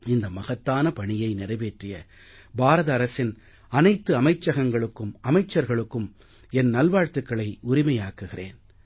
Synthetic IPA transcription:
ɪnd̪ɐmɐɣɐt̪ːaːnɐpɐɳɪjɐɪnɪrɐɪʋeːʈrɪjɐ | baːɾɐðɐːɾɐsɪn | ɐnɐɪt̪ːɯɐmɐɪt͡ʃːɐɣɐŋɡɐɭɯkːɯmʔɐmɐɪt͡ʃːɐɾɣɐɭɯkːɯm | ɛnnɐlʋaːɻt̪ɯkːɐɭɐɪʊɾɪmɐjaːkɯɣɪrḛːn

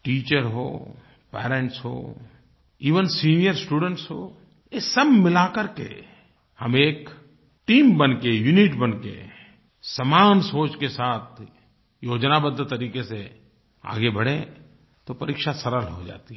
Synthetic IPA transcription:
ʈiːt͡ʃəɾɦo̰ː | pɛ̰ːɾẽɳʈsɦo̰ː | iːʋənsiːnijəɾsʈuːɖə̃ɳʈsɦoː | jesəbmɪlakəɾkḛ | hɐmeːk | ʈiːmbɐnkejunɪʈbɐnkḛ | sɐmaːnsoːt͡ʃkesaːt̪̚ʰ | joːd͡ʒnabəd̪ʱːt̪ɐɾiːkese | a̰ːɡebɐɽ̤ẽ | t̪opɐɾikʃasɐɾəlɦod͡ʒa̰ːt̪iɦɛ

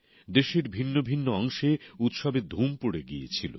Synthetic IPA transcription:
d̪eʃeɾbʱinːobʱinːoɔŋʃeut̪ʃɔbed̪ʱumpoɽeɡijet͡ɕʰilo̰

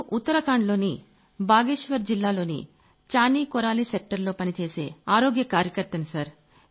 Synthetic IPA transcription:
ʔut̪ːɐɾɐkaːɳlo̞ːni | bʱaːɡeːʃʋɐɾd͡ʒilːaːlo̞ːnḭ | t͡ʃaːniːkɔɾaːliːsek̚ʈɐɾlo̞ːpɐnit͡ʃeːse̞̰ːaːɾo̞ːɡjɐkaːɾjɐkɐɾt̪ɐnsɐɾ

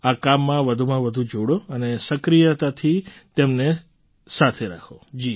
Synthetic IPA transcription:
akamːãʋəd̪ʱumãʋəd̪ʱũd͡ʒʱoɽoənesəkɾijət̪at̪ʰit̪emne | sat̪ʰeɾa̰kʰod͡ʒi

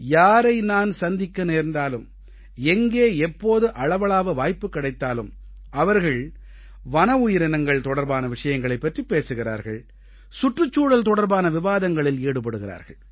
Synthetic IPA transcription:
jaːɾɐɪnaːnsɐnd̪ɪkːɐneːɾnd̪aːlɯm | ɛŋɡeːɛpːoːðɯʔɐɻɐʋɐɭaːʋɐʋaːjpːɯkːɐɽɐɪt̪ːaːlɯm | ʔɐʋɐɾɣɐɭ | ʋɐnɐʊjɪɾɪnɐŋɡɐɭt̪ɔɽɐɾbaːnɐʋɪʂɐjɐŋɡɐɭɐɪpːɐʈripːeːsɯɣɪɾa̰ːɾɣɐ̰ɭ | sʊʈrɯt͡ʃːuːɽɐlt̪ɔɽɐɾbaːnɐʋɪʋaːðɐŋɡɐɭɪleːɽɯpːɐɽɯɣɪɾa̰ːɾɣɐ̰ɭ

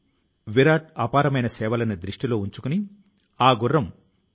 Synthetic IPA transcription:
ʋiɾaːʈ̚aːpaːɾɐmɐjnɐsɛːʋɐlɐjnɐd̪ɾiʂʈilo̞ːuɲt͡ʃukuni | aːɡurːɐm

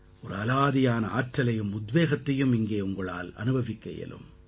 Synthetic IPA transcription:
ʔɔɾɯɐlaːðɪjaːnɐaːʈɾɐlɐjɯmʊd̪ʋeːɣɐt̪ːɐjɯmɪŋɡeːʊŋɡɐɭa̰ːlɐ̰nɯbʱɐʋɪkːɐ̰jɐ̰lɯ̰m

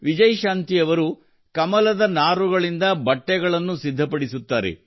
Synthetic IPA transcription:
ʋid͡ʒɐjʃaːnt̪ijɐʋɐɾu | kɐmɐlɐd̪ɐnaːɾuɡɐɭind̪ɐbɐʈːɛɡɐɭɐnːusid̪ʱːɐpɐɽisut̪ːaːɾḛ

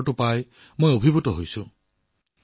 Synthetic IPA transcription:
ʈʊpaj | mojobʱibutɔɦojsũ

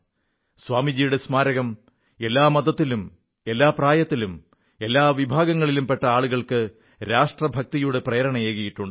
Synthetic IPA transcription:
swaːmid͡ʑiːjuɽe̞smaːɾɐɣɐm | e̞lːaːmɐd̪ɐt̪ːilum | e̞lːaːpraːjɐt̪ːilum | e̞lːaːʋibʱaːɡɐŋːɐɭilumpe̞ʈːɐaːɭuɣɐɭkɨ | ɾaːʂʈrɐbʱɐk̚t̪ijuɽe̞prɐːɐɾɐɳɐjeːɣɐjiʈːuɳɖɨ

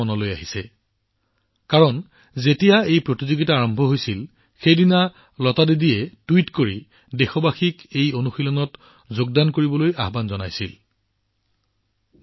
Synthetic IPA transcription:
ɔnɔlojaɦisɛ̰ | kaɹɔn | zetijaejpɹotizoɡitaːɹɔmbʱɔɦojsil | xejdina | lɔtadedijɛtuwitkoɹi | dexɔbaxikejonuxilɔnɔt | zoɡ̚dankoɹibɔloja̰ɦbanzɔnajsḭl

